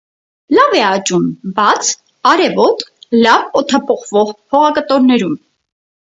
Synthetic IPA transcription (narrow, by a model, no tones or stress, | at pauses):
lɑvɛɑt͡ʃumbɑt͡sʰ | ɑɾɛvɔt̪lɑvɔt̪ʰɑpʰɔχvɔʁhʰɔʁɑkət̪ɔɾnɛɾum